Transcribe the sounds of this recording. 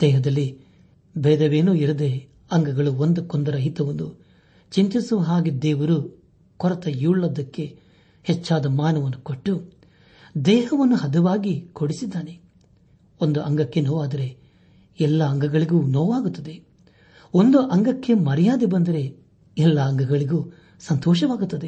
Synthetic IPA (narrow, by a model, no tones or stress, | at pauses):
d̪̥ɛːɦɐd̪ɐlːi | bɛːd̪ɐʋeːnuːiɾɐd̪e̞ | ɐŋɡɐɡɐɭuond̪ukɔnd̪ɐɾɐɦit̪ɐʋɐnd̪u | t͡ʃiɲt͡ʃisuʋɐɦaːɡed̪ɛːʋɐɾu | kɔɾɐt̪ɐjuːɭːɐd̪ɐkːe̞ | hɛt͡ʃːaːd̪ɐmaːnɐʋɐnːukoʈːu | d̪ɛːɦɐʋɐnːuɦɐd̪ɐʋaːɡikoɽisid̪ːaːne̞ | ond̪uʔɐŋɡɐkːe̞noːʋaːd̪ɐɾe̞ | ɛlːɐːŋɡɐɡɐɭiɡuːnɔːʋaːɡut̪ːɐd̪e̞ | ond̪uʔɐŋɡɐkːe̞mɐɾɐjaːd̪ibɐnd̪ɐɾe̞ | ɛlːɐːŋɡɐɡɐɭiɡuː | sɐnt̪ɔːʃɐʋaːɡut̪ːɐd̪e̞